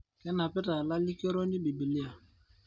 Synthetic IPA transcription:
kɛ˦na˨pɛ˦ta˨la˦li˦kɛ˦ɾɔ˦ni˦bi˨bi˨li˦a˨

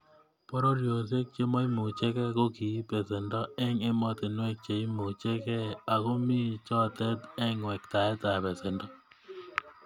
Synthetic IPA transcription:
pɔ˦ɾɔ˦ɾjo˨s̬e˦k̚t͡ʃe˦mɔ˦i˦mu˨t͡ʃɛ˦kɛ˦ko˦ki˨˦pɛ˨sɛ˨ndɔ˦ɛ˦ŋe˦mɔ˦t̪ɪ˨nwɛ˦k̚t͡ʃe˨i˦mu˨t͡ʃɛ˦kɛ˦a˨ko˦mɪ˦t͡ʃɔ˦˨t̪ɛ˦d̪ɛ˦ŋwɛ˨kt̪a˨ɛ˦t̪a˨pɛ˨sɛ˨ndɔ˦

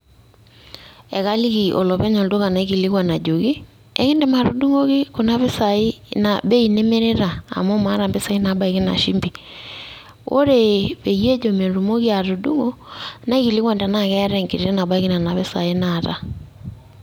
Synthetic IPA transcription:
ɛ˨ka˦li˦ɣi˨ʔo̰˨lɔ˨βɛ˦ɲɔ˨ldo˦ɣa˨na˨i˦ɣi˨li˦ɣwa˨na˨d͡ʒo˨ɣi˦ | ɛ̰˦ɣe˦nde˨ma˨ɾu˨du˦ŋo˦ki˦ko˨na˦βe˦sa˨i˦na̰˨be˦i˨ne˦me˦ɾe˦ɾa̰ː˨mo˦ma˦ɾa˨mbe˦sa˨i˦na˨˦ba˦i˨ɣe˦na̰˨ʃi˦mbi˨ | o̰˦ɾe˨βe˨je˦d͡ʒo˨me˨ɾu˨mo˦ɣi˦a˨ɾo˨du˦ŋo˦na˦i˦ɣi˨li˦ɣwa˨nda˨na˦˨kɛ˦ɾɛ˦ŋke˨ɾe˨e˦na˨ba˦i˦ɣi˦na˨na˨βe˦sa̰˨e˦na˨ta˦

